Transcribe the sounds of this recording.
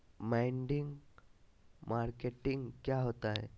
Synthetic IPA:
maiɳɖɪ̃ŋɡ | maɾkeʈɪ̃ŋɡkjaɦoːt̪aɦɛ̰ː

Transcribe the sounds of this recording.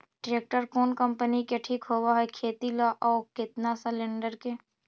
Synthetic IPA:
ɖɾeːk̚ʈəɾkɔːnkə̃mpənikeʈʰiːkɦoːwaɦɛkʰeːt̪ilaʔɔːkɪt̪nasəlẽɳɖəɾke

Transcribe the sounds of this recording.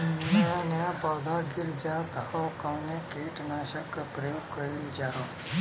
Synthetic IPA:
nãnjãpawd̪aɡɪɾd͡ʒat̪aɔkənekeʈnaʃəkpɾəjoɡ̚kəɾid͡ʒaːɾoː

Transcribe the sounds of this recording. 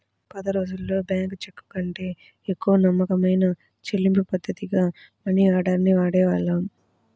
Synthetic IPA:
pɐd̪ɐɾo̞ːd͡ʒulːo̞ːbjaːŋkt͡ʃekːu̥kɐɳʈe̞ː | ekːuʋɐnɐmːɐkɐmɐjnɐ | t͡ʃelːimpupɐd̪ʱːɐt̪iɡaː | mɐɳːiaːɽaːɾniʋaːɽɛːʋaːɭːɐ

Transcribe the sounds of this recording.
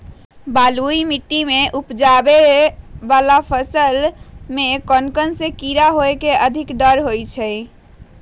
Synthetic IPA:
baluimiʈːimeʔupd͡ʒabebalapʰəsəlmekənkənsekiɾaɦoekeʔəd̪ʱikɖəɾɦojt͡ʃʰɛ

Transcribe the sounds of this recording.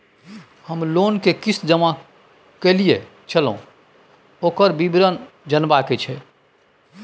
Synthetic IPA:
həmloːnkekɪsd͡ʒəma | kelie | t͡ʃəlõ̰ | oːkəɾbibɾən | d͡ʒənbaket͡ʃʰɛ

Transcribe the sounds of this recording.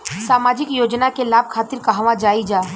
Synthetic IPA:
saːmaːd͡ʒɪkjoːd͡ʒnakelaːb̚kʰaːt̪ɪɾkaɦaʋãd͡ʒaːid͡ʒaː

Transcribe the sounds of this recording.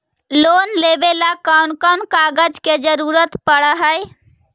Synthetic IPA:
lonlebelakawnkənkaɡəd͡ʒked͡ʒəɾuɾət̪pəɽəɦəj

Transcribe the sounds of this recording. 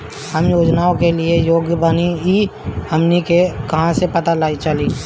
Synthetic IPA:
həmjoːd͡ʒnaːõkelɪejoːɡjəbəniiəmnikekɐɦãsepɐt̪alaːit͡ʃəli

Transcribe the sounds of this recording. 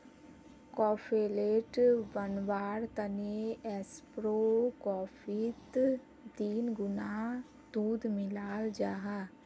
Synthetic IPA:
kɔːpʰeːleːʈbənʋaːɾt̪əneɛspɾoːkɔːfʰiːt̪ | d̪iːnɡʊna | d̪uːd̪mɪlaːld͡ʒaːɦa

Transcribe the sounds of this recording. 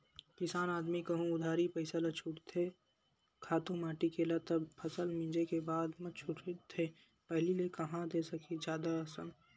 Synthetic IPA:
kɪsaːnaːd̪mikɐɦũʊd̪ʱaːɾipɐɪsalɐt͡ʃʰʊʈt̪ʰe | kʰaːt̪ũmaːʈikelat̪ɐbpʰɐsəlmĩd͡ʒekebaːd̪mɐt͡ʃʰʊʈʰt̪ʰe | pɐɦlilekɐɦãd̪esɐkʰid͡ʒjaːd̪aɐsən

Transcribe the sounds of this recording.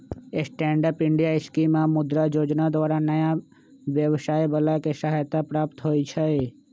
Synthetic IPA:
esʈɛ̃ːɳɖəpɪ̃ɳɖijaɪʃkimãmʊd̪ɾad͡ʒoːd͡ʒnad̪waːɾanɐja | ʋjəʋʃaːebəlakeʃaɦajt̪apɾaːpt̪ɦoːit͡ʃʰɛe

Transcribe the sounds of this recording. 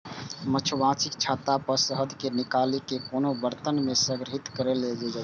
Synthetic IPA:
mət͡ʃʰbãt͡ʃʰikt͡ʃʰat̪apəɾsəɦəd̪ʱkenikalikekonobəɾt̪ənmesəɡɾəɦit̪kəɾeled͡ʒɛd͡ʒa

